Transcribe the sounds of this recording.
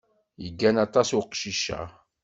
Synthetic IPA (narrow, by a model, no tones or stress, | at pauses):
jəɡːænɑt̪ˤɑsʊqʃiʃa̰